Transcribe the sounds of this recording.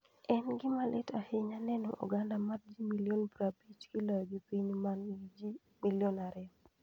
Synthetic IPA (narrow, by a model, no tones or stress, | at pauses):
ɛnɡɪmalʔɪtahɪɲanɛno̰ʔo̰ɡandamard͡ʒimiljonbɾabit͡ʃɡilaɡipiɲmand͡ʒi | miljɔnaɾɛ